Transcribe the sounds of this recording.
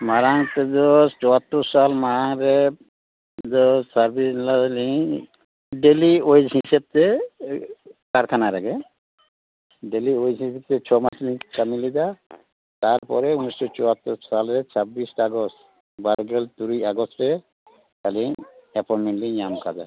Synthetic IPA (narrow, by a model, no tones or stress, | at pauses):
maɾaŋt̪ɛdɔt͡ʃɔat̪ːɔɾsalmaɾaŋɾɛ | dɔsaɾbislaliŋ | ɖeliojd͡ʒɦiseb̚t̪e | kaɾkʰanaɾɛɡɛ | ɖeliojd͡ʒɦiseb̚t̪ɛt͡ʃʰɔmat͡ʃliŋkamilid̪a | t̪aɾpɔ̰ɾɛunistɔt͡ʃɔat̪ːɔɾsalɾɛt͡ʃʰabisʈaɡɔs | baɾɡɛlt̪uɾujaɡɔsʈɾɛ | kaliŋɛpʰɔnmɛnliŋjamkʰad̪a̰